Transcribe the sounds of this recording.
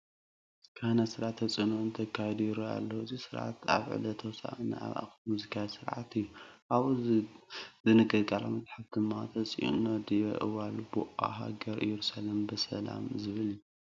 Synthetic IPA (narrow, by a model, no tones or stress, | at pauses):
kʰanasɨɾʕat̪ʰːɐt͡sʼɨnuɨnt̪ʰɐkʰːajɛd̪uɾoa̰lːoɨzisɨɾʕa̰t̪a̰βʕɨ̰lɐt̪ʰɐwsa̰ʔɨn̰a̰βa̰kmuzikʰasɨɾʕat̪ʰɨjːuʔaβ | zɨnɨkʼːɨd̪kʼala̰mɐzʼħafd̪ɨmːat̪ʰɐt͡sʼḭʔṵnɐd̪ijɐ̰ʔɨ̰walbuʔa̰ɦa̰ɡɐɾʔɨjɛɾusalembɨsɐla̰mzɨβɨlju